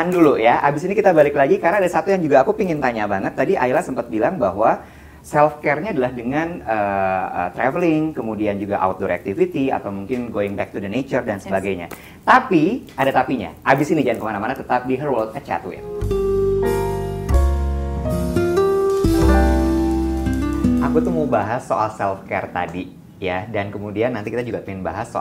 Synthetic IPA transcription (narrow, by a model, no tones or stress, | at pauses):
andulujaʔabɪsinikit̪abalɪklaɡikaɾənadasat̪ujaŋd͡ʒuɡaːkupiŋɪnt̪aɲabaŋət̪̚ːadiʔa̰ɪlahsəmpat̪̚bilaŋbaɦwa | sɛlfkɛrɲaːdalahdəŋanəə̰t̪ɾɛvəlɪŋkəmudiand͡ʒuɡaʔa̰wt̪̚dɔɾa̰k̚t̪ifit̪ia̰t̪awmuŋkɪnɡoɪŋbɛk̚t̪udənet͡ʃərdansəbaɡajɲa̰ | t̪apiadat̪apiɲa̰ʔabɪsinid͡ʒankəmanamanat̪ət̪ap̚diɦərwɔlt̪̚kat͡ʃa̰t̪uɛ̰t̪ | ə | ʔakut̪uhmobaɦasːoalsɛlfkɛrt̪a̰di | jadankəmudianːant̪ikit̪ad͡ʒuɡapəɪnbaɦaso